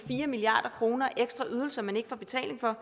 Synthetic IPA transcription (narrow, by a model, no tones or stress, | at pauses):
fiːɐmiliɑ̰̈ːd̥ɐkʰʁo̝ːnɐʔeɡ̥sd̥ʁɑʔyð̞ˠl̩sɐmæne̝ɡ̥fɒ̰ːb̥e̝t͡sʰɛ̰ːle̝ŋfɒ̽